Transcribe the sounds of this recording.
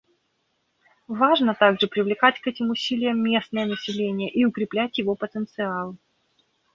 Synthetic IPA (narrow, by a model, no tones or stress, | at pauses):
vaʐnət̪aɡʐɨpɾʲɪvlʲɪkatʲkɛtʲɪmʊsʲilʲɪjəmːʲe̞snəjənəsʲɪlʲenʲɪjəʔiʊkɾʲɪplʲætʲjɪvo̞pət̪ənt̪sɨalˠ